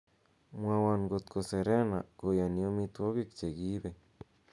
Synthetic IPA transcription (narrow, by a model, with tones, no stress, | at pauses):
mwã˧wa˧nɡo˧t̪ko˨se˨ɾe˦na̰˨ko˨ja˨ni˧o˧mi˧t̪o˦ɡi˦˧kt͡ʃe˨ɡi˦be˨